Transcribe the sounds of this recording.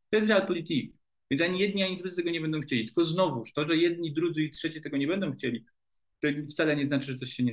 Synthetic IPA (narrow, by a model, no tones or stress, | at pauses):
t̪ɔjɛst̪ɾɛalpɔlʲit̪ik | vʲjɛnsaɲijɛd̪̚ʲɲiaɲid̪ɾud̪ɘt̪ɛɡɔɲɛbɛnd̪ɔ̃wxt͡ɕelʲit̪ɘ̥lkɔznɔvuʂt̪ɔʐɛjɛd̪ɲid̪ɾud̪zɘitʂɛt͡ɕɛt̪ɛɡɔɲɛbɛnd̪ɔ̃w̃xt͡ɕelʲi | t̪ɔft̪salɛɲɛznat͡ʂɘʐɛt̪sɔɕɕɛɲɛ